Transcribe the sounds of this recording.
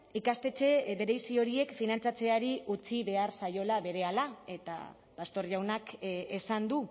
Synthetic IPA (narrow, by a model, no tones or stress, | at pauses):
ikast̪e̞t͡se̞βe̞ɾe̞jsio̞ɾie̞kfinant͡sat͡se̞aɾiut͡siβe̞aɾsajo̞laβe̞ɾe̞alae̞t̪a̰ | past̪o̞ɾʝawnakesand̪u